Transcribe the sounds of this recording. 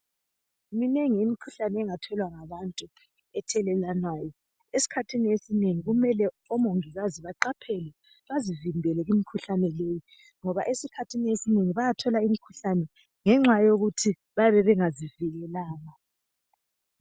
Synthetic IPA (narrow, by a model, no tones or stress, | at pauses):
minɛŋiimikʰuɬanɛːŋatʰɔlwaŋaβantʼu | ɛtʰɛlɛlanwaːjɔ | esi̥kʰatʰiniesineŋiɣumɛlɛ | ɔmoŋiɣaziβaǃapʰɛlɛ | βazivimbʱɛlɛɣimikʰuɬanɛleji | ŋɔβaʔesikʰatʰiniesineŋiβajatʰɔlaimikʰu̥ɬanɛ | ŋɛŋ͡ǁwajoɣutʰi | βajaβɛβɛŋaziviɣɛlaːna